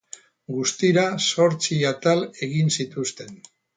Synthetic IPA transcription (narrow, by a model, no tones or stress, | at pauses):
ɡust̪iɾaso̞ɾt͡siat̪ale̞ɣinsit̪ust̪e̞n